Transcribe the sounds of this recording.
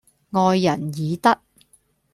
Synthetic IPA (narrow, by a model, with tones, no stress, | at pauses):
ŋɔː˧jːɐ˨˩njiː˨˧t̪ɐ˥k̚